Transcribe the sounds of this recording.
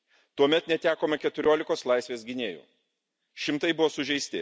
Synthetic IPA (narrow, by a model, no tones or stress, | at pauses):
t̪uɔmʲɛt̪nʲɛt̪ʲæːkoːmʲɐkʲɛt̪ʊɾʲoːlʲɪkoːslˠɐɪsʲʋʲeːsɡʲɪnʲeːjṵː | ʃʲɪmt̪ɐɪbʊʋoːsʊʒʲɛɪsʲt̪ʲɪ